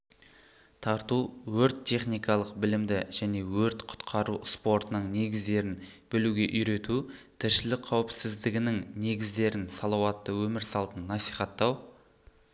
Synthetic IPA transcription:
t̪ʰɑɾt̪uwɵɾt̪ʰːe̞χnijkɑlˠəqbɪlɪmd̪ɪʒ̥æne̞wɵɾt̪qʰʊ̥t̪qʰɑɾuspo̞ɾt̪ənəɴne̞ɡʲɪzd̪e̞ɾɪn | b̥ɪluɡʲe̞ʔʏjɾe̞t̪ut̪ʰɪɾʃɪlɪkqʰɑwɪpsɪzd̪ɪɡʲɪnɪŋne̞ɡʲɪzd̪e̞ɾɪnsɑlˠɑwɑt̪ːəwɵmɪɾsɑlˠt̪ənːɑsiχɑt̪ːɑw

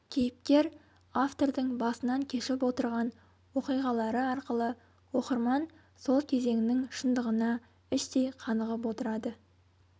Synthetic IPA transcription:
kʲʰejɪp̚k̪ʲe̞ɾ | aft̪o̞ɾd̪əɴbɑsənɑŋkʲʰe̞ʃɪp̬wo̞t̪əɾʁɑn | wo̞qijʁɑlˠɑɾəɑɾqəlˠə | wo̞qəɾmɑn | so̞lˠkʲʰeze̞ŋɪnɪŋʃənd̪əʁənɑ | ɪʃt̪e̞jqʰɑnəʁəp̬wo̞t̪əɾɑd̪ə

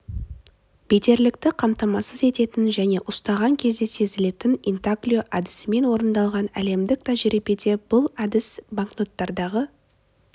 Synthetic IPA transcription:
be̞t̪e̞ɾlɪk̚t̪ɪqʰɑmt̪ɑmɑsəze̞t̪e̞t̪ɪnʒæne̞ʔʊst̪ɑʁɑŋkʲʰe̞zd̪e̞se̞zɪle̞t̪ɪnint̪aklʲijo̞ʔad̪ɪ̥sɪme̞nwo̞ɾənd̪ɑlˠʁɑnæ̰le̞md̪ɪk̚t̪ɑʒeɾepe̞t̪e̞b̥ʊlˠad̪ɪsbaŋkno̞t̪ːɑɾd̪ɑʁə

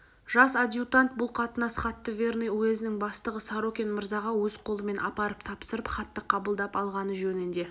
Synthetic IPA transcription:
ʒɑsad̪ʲjut̪ant̪̚bʊlˠqʰɑt̪ənɑsχɑt̪ːəvʲe̞rnejwɵzɪnɪŋbɑst̪əʁəsɑaɾokʲenməɾzɑʁɑwɵzqʰo̞lˠəme̞nʔɑpɑɾəp̚t̪ʰɑpsəɾəpχɑt̪ːəqʰɑbəlˠd̪ɑpɑlˠʁɑnəʒɵnɪnd̪e̞

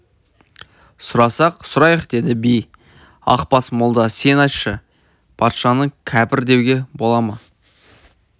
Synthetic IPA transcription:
sʊɾɑsɑqsʊɾɑjəqd̪e̞d̪ɪbij | ɑ̰qpɑsmʊlˠd̪ɑse̞nɑt̪ʃə | pʰɑt̪ʃɑnəɴkʲʰæpɪɾd̪e̞wɡʲe̞bo̞lˠɑmə

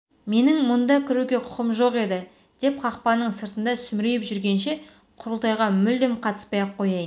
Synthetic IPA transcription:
me̞nɪŋmʊnd̪ɑkʲʰɪɾuɡʲe̞qʰʊ̥qəmʒo̞qe̞d̪ɪ | d̪̥e̞p̚qʰɑqpɑnːəɴsəɾt̪ənd̪ɑsʏmɾejɪpʒʏɾɡʲe̞nʃe̞ | qʰʊɾəlˠt̪ɑjʁɑmʏld̪emqʰɑt̪ə̥spɑjɑqʰːo̞jɑjən

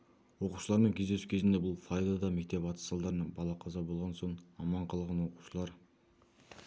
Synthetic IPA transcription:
wo̞qu̥ʃəlˠɑɾmeŋkʲʰe̞zd̪e̞su̥kʲʰe̞zɪnd̪e̞bʊlˠfajd̪ɑd̪ɑmek̚ʲt̪e̞pɑt̪ə̥sɑlˠd̪ɑɾnɑbɑlˠɑqʰɑzɑbolˠʁɑnsoɴɑmɑɴqʰɑlˠʁɑnwo̞qu̥ʃəlˠɑɾ

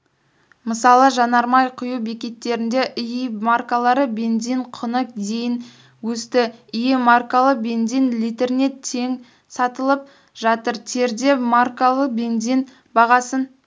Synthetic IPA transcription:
məsɑlˠəʒɑnɑɾmɑjqʰʊjube̞kʲe̞t̪ːe̞ɾɪnd̪e̞ʔɪjimarkalˠɑɾəbe̞nzijɴqʰʊnəq̚d̪e̞jɪn | wɵst̪ɪɪjemarkalˠəq̚be̞nzijnlʲijt̪e̞ɾne̞tt̪ʰːe̞ŋ | sɑt̪əlˠəp̚ | ʒɑt̪əɾt̪ʰe̞ɾd̪e̞markalˠəq̚be̞nzin | bɑʁɑsən

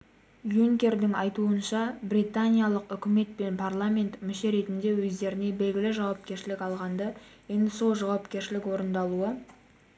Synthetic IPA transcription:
juŋkʲe̞rd̪ɪŋɑjt̪uənʃɑbɾit̪anʲijalˠəqʏkʲɪme̞t̪̚pe̞npʰarlˠamʲe̞nt̪mɪʃe̞ɾe̞t̪ɪnd̪e̞wɵzd̪e̞ɾɪne̞be̞lɡʲɪlɪʒɑwɑp̚kʲe̞ɾʃɪlɪkɑlˠʁɑnd̪ə | je̞nd̪ɪso̞lˠʒɑwɑpkʲe̞ɾʃɪlɪkwo̞ɾənd̪ɑlˠuə

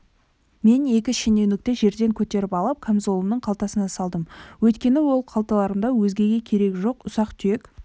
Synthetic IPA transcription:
me̞ne̞kʲɪʃene̞wnɪk̚t̪e̞ʒe̞ɾd̪e̞ŋkʲʰɵt̪e̞ɾɪpɑlˠəp̚kʲʰamzo̞lˠəmnəɴqʰɑlˠt̪ɑsənɑsɑlˠd̪əmwɵt̪kʲe̞nɪwo̞lˠqʰɑlˠt̪ɑlˠɑɾəmd̪ɑwɵzɡʲe̞ɡʲe̞kʲʰe̞ɾe̞kʒo̞qʊsɑqt̪ʰʏje̞k

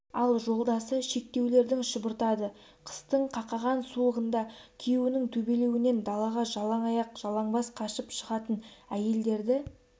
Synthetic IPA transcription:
ɑlˠʒo̞lˠd̪ɑsəʃe̞k̚t̪e̞wle̞ɾd̪ɪŋʃəbəɾt̪ɑd̪ə | qʰə̥st̪əɴqʰɑqɑʁɑnsulˠəʁənd̪ɑkʲʰewɪnɪŋt̪ʰɵbe̞le̞wɪne̞nd̪ɑlˠɑʁɑʒɑlˠɑɴɑjɑqʒ̥ɑlˠɑɴbɑsqʰɑʃəpʃəʁɑt̪ənæje̞ld̪e̞ɾd̪ɪ

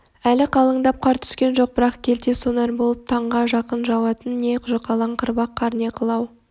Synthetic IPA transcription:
ælɪqʰɑlˠəɴd̪ɑp̚qʰɑɾt̪ʰʏ̥skʲe̞nʒo̞q̚bɪɾɑqkʲʰe̞lt̪eso̞nɑɾbo̞lˠəp̚t̪ʰɑɴʁɑʒɑqənʒɑwɑt̪ənːe̞qʰʊʒɑqɑlˠɑɴqʰəɾbɑqʰːɑɾne̞qʰəlˠɑw

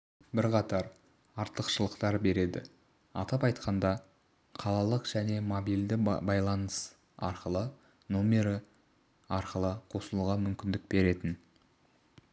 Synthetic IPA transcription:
bɪɾqʰɑt̪ɑɾ | ɑɾt̪əqʃəlˠəqt̪ɑɾbe̞ɾe̞d̪ɪ̰ | ɑ̰t̪ɑpɑjt̪qʰɑnd̪ɑ | qʰɑlˠɑlˠəqʒ̥æne̞mo̞bijld̪ɪbɑjlˠɑnəs | ɑ̰ɾqəlˠə | nomʲe̞ɾə | ɑɾqəlˠəqʰo̞səlˠuʁɑmʏmkʲɪnd̪ɪk̚be̞ɾe̞t̪ɪn

